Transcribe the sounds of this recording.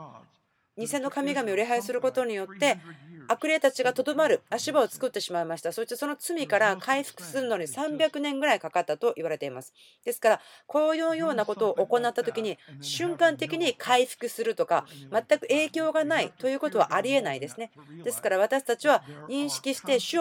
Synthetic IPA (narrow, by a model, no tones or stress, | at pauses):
ɲ̟isẽ̞nːokamʲiɡamʲioɾʲiɦaisɨɾɯ̟ko̞t̪o̞ɲ̟ijo̞t̪ːe̞akɯ̟ɾe̞t̪at͡ɕiɡat̪o̞d̪o̞maɾɯ̟aɕibao̞t͡sɨ̥kɯ̟t̪ːe̞ɕimaimaɕi̥t̪aso̞ɕit̪e̞so̞no̞t͡sɨmʲikaɾakʰaiɸɯ̟̥kɯ̟̥sɨɾɯ̟no̞ɲ̟isãmbʲakɯ̟nẽ̞ŋɡɯ̟ɾaikakat̪ːat̪o̞ʔiβ̞aɾe̞t̪e̞imasɨ̥ | d̪̥e̞sɨ̥kaɾakʰo̞ːjoːjo̞ːnako̞t̪o̞ːʔoko̞nat̪ːat̪o̞kʲiɲ̟iɕɨ̃ŋkãnt̪e̞kʲiɲ̟ikʰaiɸɯ̥kɯ̟sɨɾɯ̟t̪o̞kamat̪ːakɯ̟e̞ːkʲo̞ːɡanait̪o̞jɯ̟ːko̞t̪o̞βaʔaɾʲie̞naid̪e̞sɨne̞d̪e̞sɨ̥kaɾaβ̞at̪aɕi̥t̪at͡ɕiβaɲĩɰ̃ɕi̥kʲiɕi̥t̪e̞ɕɨ